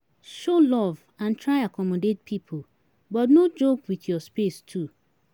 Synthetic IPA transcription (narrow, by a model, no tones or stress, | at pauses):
ʃolɔv | ãntʰɹaɪakʰɔmɔdet̚pʰipʰo | bɔtnod͡ʒokwiθjɔspestʰu